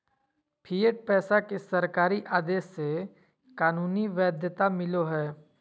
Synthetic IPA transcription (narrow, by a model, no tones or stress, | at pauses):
pʰiːəʈ̚pɛːsakesɐɾkaːɾiʔaːd̪eːʃːe | kaːnuːniʋɛːd̪ʱjət̪amɪloɦɛː